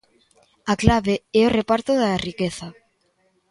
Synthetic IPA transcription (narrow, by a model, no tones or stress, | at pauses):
aklaβeɛorepaɾt̪oðarikeθa